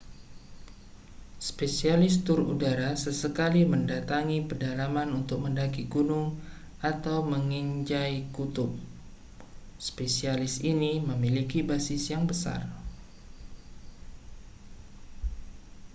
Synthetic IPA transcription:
spesialɪst̪ʊrṵdaɾasəsəkaliməndat̪aŋipədalamanunt̪ʊk̚məndaɡiɡunʊŋ | at̪awməŋiɲd͡ʒajkut̪ʊp̚ | spesialɪsiniməmilikibasɪsjaŋbəsa̰r

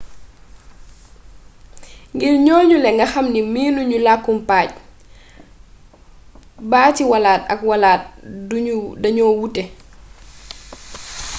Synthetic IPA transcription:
ŋɡilɲɔːɲulɛŋɡɐxɐmnimiːnuɲulakːumpaːc̚ | baːtiwalaːtɐ̰kwalaːt̚ | dɐɲɔwutːɛ

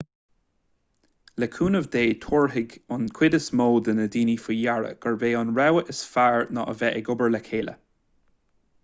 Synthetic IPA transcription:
ləkʰuːnəvd̪eːt̪ʰuːɹɦɪɡʊnkʰw̥ɪdəsmoːd̪ənədiːnifəjaɹə̰ɡ̥əɹveːɑnɹɛwəʔəsfaɹnɔ̰ʔə̰vɛʔɪɡʊbəɹlɛkʰeːlə̰

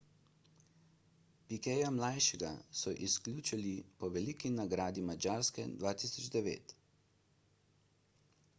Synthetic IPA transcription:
pikɛːjamlajʃɛɡa̰sɔʔisklʲuːt͡ʃilipɔʋɛlikinaɡɾaːd̪imad͡ʒaːɾskɛ̰d̪ʋaːt̪isɔd͡ʒd̪ɛʋḛːt̪

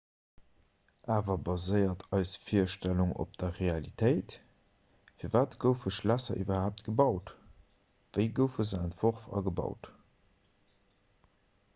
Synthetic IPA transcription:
ʔaːvɐbɑzəɪɐtʰɑɪsfiɐʃtæluŋo̰p̚d̥ɐʁealitʰəɪt | fiːɐvaːtɡ̥əʊfəʃlæsɐ̰ʔibɐhaːp̚tɡ̥əbɑʊt | vəɪɡəʊfəzəɛntv̥oʁfɑ̰ɡəbɑ̰ʊt

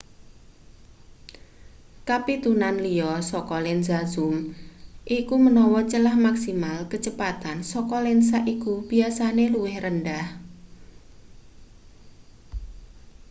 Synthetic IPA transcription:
kapit̪unanliɔsɔkɔlɪnzazʊmʔikumənɔwɔt͡ʃəlahmaksimalkət͡ʃəpat̪ansɔkɔlɛns̬aʔikub̥iasaneluwɪhrəndah

